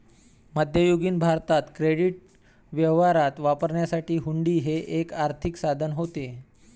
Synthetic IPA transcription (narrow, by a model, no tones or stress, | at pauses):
məd̪ʱjəjoɡiːnbʱaɾt̪at̪kɾeɽiʈ̚ | ʋjəʋaɾat̪ʋapəɾɳjasaʈiːɦuɳɖiːɦeʔekaɾt̪ʰiksad̪ʱənɦot̪e